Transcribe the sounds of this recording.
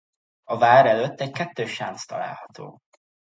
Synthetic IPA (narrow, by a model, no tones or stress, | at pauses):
ɒvaːɾɛløt̪ːɛckɛt̪ːøːʃant̪st̪ɒ̰la̰ːlhɒt̪ʰo̰ː